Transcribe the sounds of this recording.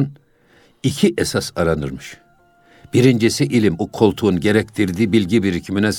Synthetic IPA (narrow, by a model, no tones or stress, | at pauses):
n | icʰiʔesasaɾanɯɾmɯʃ | b̥iɾind͡ʒesiʔilʲimukʰo̞lˠt̪ʰunɟe̞ɾɛc̚t̪ʰiɾd̪iːbilʲɟibiɾicʰiminɛs